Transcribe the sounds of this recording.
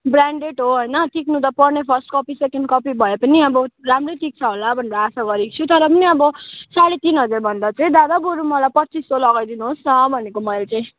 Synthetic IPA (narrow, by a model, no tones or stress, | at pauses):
bɾaɳɖeʈɦoɦʌjnʌʈʰiknũt̪ʌpʌrnepʰʌrsʈkʌpisekeɳɖ̚kʌpibʱʌepʌniʌbʌramrejʈik̚t͡sʰʌɦolabʱʌneɾʌːsaɡʌɾikt͡sʰut̪ʌɾʌpʌniʌbʌsaɽet̪inɦʌd͡zarbʱʌnd̪at͡saĩd̪ad̪aboɾumʌlajpʌtːt͡sisolʌɡajd̪inuɦost͡sʰʌbʱʌnekomʌjlt͡sãĩ